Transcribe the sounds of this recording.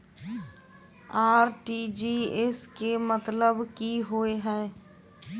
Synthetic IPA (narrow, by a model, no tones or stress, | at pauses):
aːɾʈiːd͡ʒiːeskemət̪ləbkiɦoeɦɛ̃ː